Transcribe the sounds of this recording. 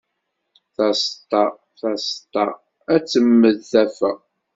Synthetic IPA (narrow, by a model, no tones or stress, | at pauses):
θæst̪ɑ | θæst̪ˤɑ | æt͡sːəmːəðθæfæ